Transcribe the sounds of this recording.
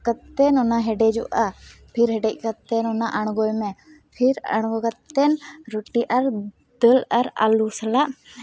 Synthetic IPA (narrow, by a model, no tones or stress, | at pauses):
kət̪ːɛnɔnaɦɛɖɛd͡ʒɔ̰ʔapʰiɾɦɛɖɛc̚kət̪ɛnɔnaʔaɽ̃ɡɔjmɛ | pʰiɾa̰ɽ̃ɡɔkət̪ːɛnɾoʈiʔaɾ | d̪əlaɾa̰lusəlaʔ